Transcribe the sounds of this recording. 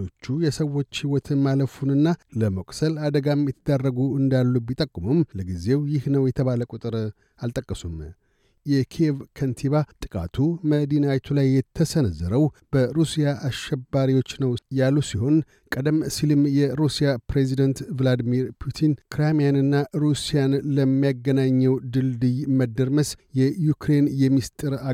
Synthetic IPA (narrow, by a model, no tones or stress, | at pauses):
o̞t͡ʃːujɛsəwːo̞t͡ʃːhiwɔt̪ʰɨnːaləfunɨnːaləməkʼsəlad̪əɡamjɛt̪ʰəd̪arːəɡuɨnd̪alːubit̪ʼəkʼːumumləɡize̞wjɪhnəwjɛt̪ʰəβaləkʼut̪ʼɨɾ | alt̪ʼəkʼːəsum | jɛkʰievkʰənt̪ʰiβat̪ʼɨkʼa̰t̪ʰuməd̪inawt̪ʰulajːɛt̪ʰːəsənəzːəɾəwb̥əɾusijaʔaʃɛbːaɾiwo̞t͡ʃːnəwjalːusiho̞n | kʼəd̪əmsilɨmjɛɾusijapɾezid̪ənt̪vlad̪miɾpʰut̪ʰinkʰɾemijanɨnːaɾusijanləmːijaɡənaɲːɛwd̪ɨld̪ɨjməd̪ːəɾməsjɛjukʰɾe̞njɛmːist̪ʼɨɾa